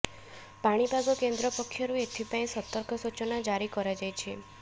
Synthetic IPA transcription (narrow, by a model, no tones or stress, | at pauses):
paɽ̃ibʱaɡɔkend̪ɾɔpɔkʰːjɔɾuet̪ʰipaĩsɔt̪ɔɾkʰɔsut͡ʃɔnad͡ʒaɾikɔɾad͡ʒajt͡ʃʰe